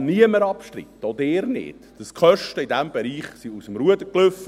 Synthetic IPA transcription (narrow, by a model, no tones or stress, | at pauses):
niəməɾɑpʃtɾḭt̪ːod̪eːɾnɪ̰ːtd̥əskʰœʃtəidæmbɛɾiːχsiusəmɾuəd̪əklʏfːə